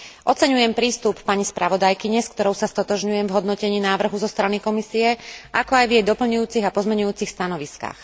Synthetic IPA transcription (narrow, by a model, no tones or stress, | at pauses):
ʔɔt͡sɛɲujɛmpɾiːst̪upːaɲispɾʔaʋɔd̪ajkiɲɛskt̪ɔɾɔʊsast̪ɔt̪ɔʒɲujɛmvɦɔd̪nɔcɛɲiːnaːʋr̩ɦuzɔst̪ɾanikɔmisiɛʔakɔajvjɛjd̪ɔpl̩ɲujuːt͡siɣapɔzmɛɲujuːt͡sixst̪anɔʋiska̰ːx